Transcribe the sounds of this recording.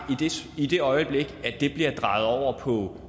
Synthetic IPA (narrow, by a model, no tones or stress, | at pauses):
id̥id̥e̝ɒ̽ɪəb̥le̝ɡ̥æd̥e̝b̥liɐd̥ʁɑ̈ð̞̩ˠɒʊ̰ɐpʰɒ̽